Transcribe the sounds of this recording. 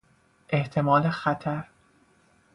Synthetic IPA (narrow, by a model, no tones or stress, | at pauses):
ʔe̞ht̪ʰe̞mɒːlexæt̪ʰæɾ